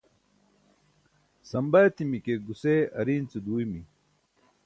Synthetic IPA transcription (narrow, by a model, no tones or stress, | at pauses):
sɐmbɐt̪imikeɡuseːɐɾiːnt͡sud̪uːimi